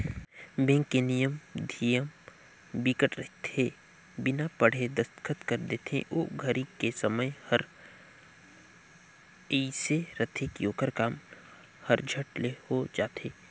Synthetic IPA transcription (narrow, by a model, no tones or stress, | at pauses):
bẽːŋkenijəmd̪ʱijəm | bikəʈɾət̪ʰe | bɪnapəɽ̤ed̪əst̪kʰət̪kəɾd̪eːt̪ʰḛ̃ʔoːɡʱəɾikesɐməjhəɾ | iːseɾət̪ʰekioːkəɾkaːm | hɐɾd͡ʒʱəʈlehod͡ʒaːt̪ʰeː